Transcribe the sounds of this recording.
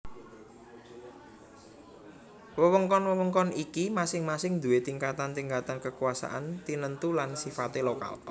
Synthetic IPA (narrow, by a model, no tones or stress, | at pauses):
wəwəŋkɔnwəwəŋkɔnikimasɪŋmasɪŋd̪ṳwet̪iŋkat̪ant̪iŋɡat̪ankəkuasa̰ʔant̪inənt̪ulansifat̪eloka̰l